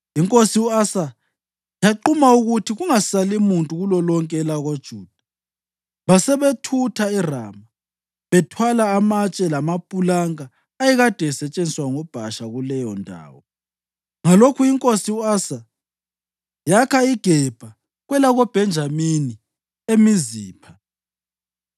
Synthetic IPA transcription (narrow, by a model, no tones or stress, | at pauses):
iŋkʼosiuasa | jaǃumauɣutʰiɣuŋasalimuntʼuɣulɔlɔŋkʼɛlaɣod̥ʒ̥ʱuːd̥ʱḁ | βasɛβetʰutʰaira̰ːma | βɛtʰwalaːmat͡ʃʼɛlamapʼulaŋaː | jiɣad̥ʱɛsɛt͡ʃʼend͡ziswaŋɔb̥ʱaʃaɣulɛjɔndʱa̰ːwɔ | ŋalokʰuiŋkʼosiuaːsa | jakʰaiɡ̥ʱɛb̥ʱa | ɣwɛlaɣob̥ʱɛnd͡ʒʱamini | emiziːpʰa